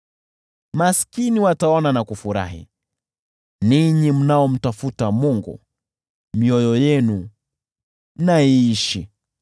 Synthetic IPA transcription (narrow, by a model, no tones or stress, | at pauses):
maskiniwataɔnanakufuɾa̰hḭ | niɲim̩naɔm̩tafutamuŋɡṵ | miɔjɔjɛnu | naiiʃi